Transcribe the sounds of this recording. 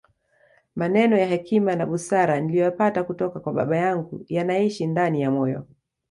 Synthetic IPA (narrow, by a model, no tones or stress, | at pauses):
manɛnɔjaɦɛkimanaɓusaɾanilijɔjapatakutɔkakwaɓa̰ɓajaŋɡujanaiʃindanijamɔjɔ̰